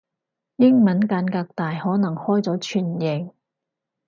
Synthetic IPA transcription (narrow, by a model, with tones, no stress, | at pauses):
jɪ˥ŋmɐ˨˥nkaː˨˧nkaː˧k̚t̪aː˨jhɔː˨˥nɐ˨˩ŋhɔː˥jt͡sɔː˨˥t͡ʃʰyː˨˩njɪ˨ŋ